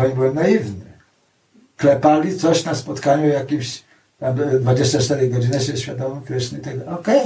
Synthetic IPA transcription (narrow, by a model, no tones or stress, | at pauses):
ɔɲbɘwɛmnaivnɘ | klɛpalʲit̪sɔɕnaspɔt̪kaɲujakʲimɕ | t̪amd̪vad͡ʑeɕt͡ɕat͡ʂt̪ɛɾɛjɡɔd͡ʑinɛɕɛɕfʲjad̪ɔmɔ̃mkɾɛʃnɛit̪aɡ̚d̪aɔkɛj